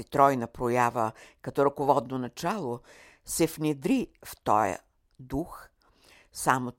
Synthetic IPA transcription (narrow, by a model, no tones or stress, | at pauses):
it̪ɾɔjnɐpɾojavəkɐt̪ɔɾɐkovɔd̪nonɐt͡ʃalˠo | sɛfnʲɛd̪ɾift̪ɔ̰jə̰ | d̪ux | samo